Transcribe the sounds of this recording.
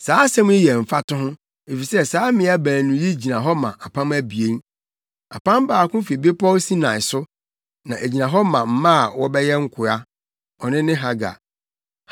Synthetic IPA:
saː˨˦sɛ̃˦m˦i˦jɛ˨m̩˨fa˦tʊ̃˦ɦʊ̃˦ | e˨fi˨sɛ˦saː˦mɪ̃˨˦a˦bæ̃˨nʊ̃˨ji˦d͡ʑi˨nã˨ɦɔ˦mã˨ʔa˨pʰã˦m˦æ˦bi˨e˦n | a̰˨pã˦m˦baː˨kʊ̃˦fi˨be˦pʰɔ˦wsi˦nã˨ɪ˨sʊ˦ | nã˨ʔæ˨d͡ʑi˨nã˨ɦɔ˦mã˨m̩˦mã˦a˨wɔ˦bɛ˦jɛ˦ŋ̩˦kʰʊ˨a˦ | ɔ˨nɪ̃˦nɪ̃˦ɦa˨ɡa̰˨

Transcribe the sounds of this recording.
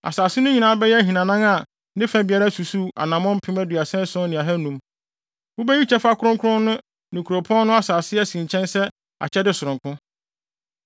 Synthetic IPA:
a̰˨saː˨sɪ˦nʊ̃˦ɲĩ˨nãː˨˦bɛ˦jɛ˦ɦi˨nã˨nã˦ŋa˨˦ | dɪ̃˦fæ̃˨bi˨˦a˨˦ɾa˦su˨su˦a̰˨nã˨mɔ̃˦m˦pʰɪ̃˦mæ˦dɥa˨sɛ̃˦n˦sʊ̃˦nɪ̃˨a˨ɦɛ˦nũ˨˦m | ʊ˦bɛ˦ji˦t͡ɕʰɛ˦fa˦kʰʊ˦ɾʊ̃˦ŋkʰʊ˦ɾʊ̃˦nːʊ̃˦ | nɪ̃˨kʰu˨ɾo˨pʰɔ̃˦nnʊ̃˦a˦saː˨sɪ˦ɛ˦sĩ˨ɲ˨t͡ɕʰɛ̃˦nsɛ˦ | a̰˨t͡ɕʰɛ˦dɪ˦sʊ˨ɾʊ̃˨ŋkʰʊ̃˦

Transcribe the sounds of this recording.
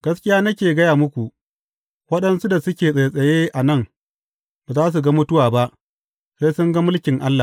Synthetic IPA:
ɡ̥ɐ˦skʲɪ˦jaː˦nɐ˦kʲeː˨ɡɐ˦jaː˨mʊ˦kʷu˨ | wɐ˦ɗɐ˦nsu˦da˨sʊ˦kʲeː˨sʼa˨jsʼɐ˨jeː˦ʔa˨nɐ˦˨ŋ | ba˨zaː˦s̬u˨ɡɐ˦mʊ˦tʊ˦waː˨ba˦ʔ | seː˦jsʊ˦ŋɡɐ˦mʊ˦lkʲɪ˨ŋʔa˦lːa˨

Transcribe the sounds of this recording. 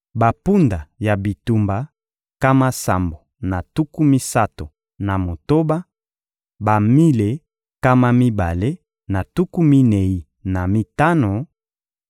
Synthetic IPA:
ba˨pu˦nda˨ja˨bi˨tu˨mba˨ | ka˦ma˦sa̰˨mbo˨ | na˨tu˦ku˦mi˦sa˦to˨ | na˨mo˨to˦ba˦ | ba˨mi˦le˨ | ka˦ma˦mi˦ba˨le˦ | na˨tu˦ku˦mi˦ne˨i˦ | na˨mi˦ta˦no˨

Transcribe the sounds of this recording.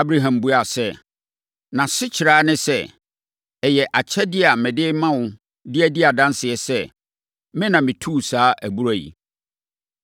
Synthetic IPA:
a˦bɾa˦ɦã˨mbu˦a˨sɛ˦ | nã˨sɪ˦t͡ɕʰɪ˨ɾaː˦nɪ̃˦sɛ˦ | ɛ˨jɛ˨ʔa˨t͡ɕʰɛ˦dɪ˦a˨mɪ̃˨dɪ˦mã˦wʊ̃˨ | dɪ˦æ˦dɪ˦a˨dã˦nsɪ˨ɛ˨sɛ˦ | mɪ̃˦nã˨mɪ̃˨tʰuː˦˨saː˦ʔæ˨bu˦ɾæ˦˨jḭ˨

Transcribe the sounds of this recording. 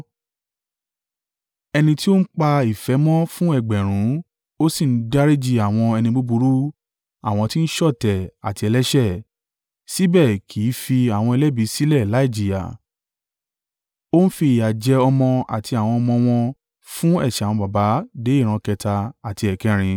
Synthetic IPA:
ɛ˧nĩ˧ti˦o˦n̩˦k͡pa˧i˨fɛ˨˦mɔ̃˦fũ˦ɛ˦˨ɡ͡bɛ˨ɾ̃ũ˨˦ | o˦si˦˨˦da˦ɾe˦d͡ʒi˧a˨w̃ɔ̃˧ɛ˧nĩ˧bu˦bu˧ɾu˦ | a˦˨w̃ɔ̃˧ti˦n̩˦ʃɔ˦˨tɛ˨a̰˨ti˧ɛ˧lɛ˦ʃɛ˦˨ | si˦bɛ˦˨kʰi˨˦fi˧a˨w̃ɔ̃˧ɛ˧lɛ˦bi˨˦si˦lɛ˦˨la˦i˦˨d͡ʒi˨ja̰˨ | o˦n̩˦fi˧˦i˨ja˨d͡ʒɛ˧ɔ˧mɔ̃˧a̰˨tʰi˧a˨w̃ɔ̃˧ɔ˧mɔ̃˧w̃ɔ̃˧ | fũ˦ɛ˦˨ʃɛ˨wɔ̃˧ba˨ba˨˦de˨˦i˦˨ɾ̃ã˧kɛ˧ta˧a˨ti˧ɛ˨kɛ˦ɾ̃ĩ˧

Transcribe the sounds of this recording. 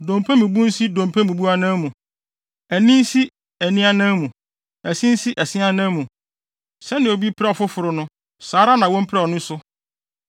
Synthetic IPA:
dõ˨mpʰæ̃˦mũ˨bu˦n̩˦si˦dõ˨m˨pʰæ̃˦mũ˨bu˦a˦nã˦mũ˨ | æ˨nĩ˦n˦si˦ | æ˨nĩ˦a˦nã˦mũ˨ | æ˨sĩ˦n̩˦si˦ʔæ˨sɪ̃˦a˦nã˦mũ˨ | sɛ˦nɪ̃˨o˨bi˦pʰɾɛ˦ɔ˨fʊ˦fʊ˨ɾʊ˦nʊ̃˦ | saː˨˦ɾa˦nã˨wɔ̃˦m̩˦pʰɾɛ˦ɔ˨nʊ̃˦sʊ˦

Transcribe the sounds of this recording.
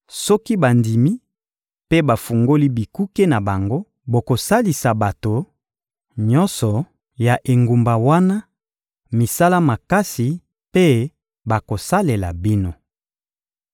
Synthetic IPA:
sɔ˦ki˦ba˨ndi˨mi˦ | pe˦ba˨fu˨ŋɡo˦li˦bi˨ku˦ke˦na˨ba˨ŋɡo˦ | bo˨ko˨sa˦li˨sa˨ba˨to˨ | ɲɔ˦nsɔ˨ | ja˨ʔe˨ŋɡu˨mba˨wa˦na˦ | mi˨sa˦la˦ma˨ka˦si˨ | pe˦ | ba˨ko˨sa˦le˨la̰˨bi˦no˨

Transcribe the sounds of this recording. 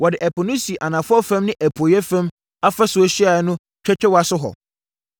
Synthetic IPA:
wɔ˨dɪ˨ʔæ˨pʰɔ˨nu˦si˨ʔa˨nã˨fʊ˦ɔ˦fɛ̃˦mnɪ̃˦ʔæ˨pʰu˨o˨jɛ˦fæ̃˦m | a˦fɛ˦sʊ˨o˦ɕi˦a˨˦nʊ̃˦ | t͡ɕᶣɛ˦t͡ɕᶣɛ˦wa˦sʊ˦ɦɔ̰˨

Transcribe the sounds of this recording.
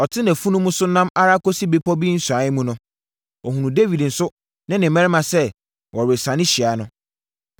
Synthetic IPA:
ɔ˨tʰɪ˦næ̃˨fu˦nũ˦mũ˦sʊ˦nã˦ma˦ɾa˦kɔ˦si˦be˦pʰɔ˦bi˦n̩˦sʊ˨a˨˦jɪ˦mũ˦nʊ̃˦ | ɔ˨hũ˨nũ˨de˦wi˨dn̩˨sʊ˦ | nɪ̃˦nɪ̃˨mɛ̃˦ɾɪ˦mã˨sɛ˦ | wʔɔ˨ɾɪ˨sã˨nɪ̃˦ɕi˨a˨˦nʊ̃˦

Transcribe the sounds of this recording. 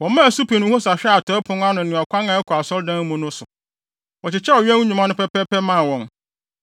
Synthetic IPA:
wɔ̃˨˦mã˦˨su˦pʰi˨nʊ̃˦ho˦sa˨ɕᶣɛ˦a˨tʰɔ˨˦pʰʊ̃˦n˦a˦nʊ̃˨nɪ̃˨a˨kʰʷã˦ŋã˨ɛ˦kʰɔ˨a˨sɔ˦ldã˦n˦mũ˦nʊ̃˦sʊ˨ | wɔ˨t͡ɕɪ˨t͡ɕʰɛ˦ɔ˨ɥɛ̃˦wɲũ˨mã˦nʊ̃˦pʰɛ˦pɛ˦pʰɛ˦mã˦˨wɔ̃˨n

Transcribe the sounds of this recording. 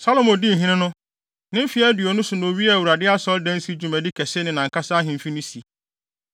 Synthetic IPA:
sa˦lo˨mɔ̃˨dĩ˦˨ɦĩ˦nɪ̃˦nʊ̃˦ | nɪ̃˦m̩˦fi˨˦a˦dɪ˨ɔ˨nʊ̃˦sʊ˨nʊ̃˨o˨ɥi˦ɛ˦æ˨wu˨ɾa˨dɪ˦a˦sɔ˦ldæ̃˦n˦si˦d͡ʑu˨mæ̃˨di˦kʰɛ˨sɪ˦nɪ̃˨nã˨ŋ̩˨kʰa˦sa˦ɦɪ̃˨m̩˨fi˦nʊ̃˦si˨

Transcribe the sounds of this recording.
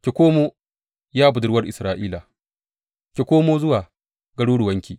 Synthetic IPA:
kʲe˨kʷoː˦moː˦ | jaː˦bʊ˨dʊ˨ɽwɐ˦rʔɪ̰˨sɾaː˦ʔiː˦la˨ | kʲe˨kʷoː˦moː˦zʊ˦waː˨ | ɡɐ˦ɽuː˦ɽʊ˨wɐ˦ŋkʲiː˨

